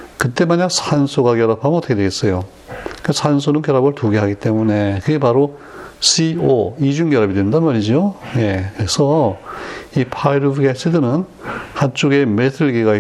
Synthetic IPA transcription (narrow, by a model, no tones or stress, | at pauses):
kɯt͈e̞maɲak̚sʰansʰoɡakjʌɾapʰamɯnʌtʰkʰedweɡes͈ʌjo | kɯksʰsʰansʰonɯnkjʌɾabɯɭtuɡeɦaɡit͈e̞mune̞kɯɡe̞paɾo | sʰioid͡ʑuŋɡjʌɾabidwendanmaɾid͡ʑioje̞kɯɾe̞sʰʌ | ipʰaiɾɯbɯɡesʰɯdɯnɯnhant͡ɕ͈oɡe̞metʰɯɭɡiɡai